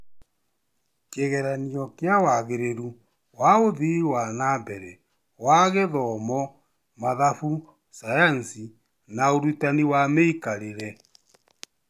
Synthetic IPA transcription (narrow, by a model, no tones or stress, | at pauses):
keɣɛɾaniɔkeawaɣeɾeɾu | waoðiwanambɛɾɛ | waɣeðɔːmɔ | maðafu | sajansi | naoɾutaniwameikaɾeɾɛ